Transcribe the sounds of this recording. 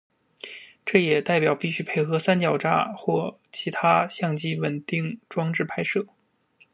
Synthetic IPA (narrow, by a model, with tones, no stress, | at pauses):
ʈ͡ʂɤ˥˩jɛ˨˩t̪a˥˩ɪpjɑ˨˩ʊpi˥˩ɕy˥pʰe˥˩ɪxɤ˧˥sa˥nt͡ɕjɑ˨˩ʊʈ͡ʂa̰˥˩xwɔ˥˩ | t͡ɕʰi˧˥t̪ʰa˥ɕjɑ˥˩ŋt͡ɕi˥wə˨˩nt̪i˥˩ŋʈ͡ʂwɑ˥ŋʈ͡ʂɻ̩˥˩pʰa˥ɪʂɤ˥˩